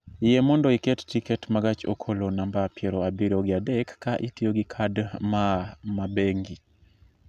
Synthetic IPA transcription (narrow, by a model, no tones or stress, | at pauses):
jɛmɔndɔikɛttikɛtmaɡat͡ʃo̰kʰolonambapjɛɾoabiɾoɡɪadɛkːaʔitjoɡikʰadmamabeŋɡi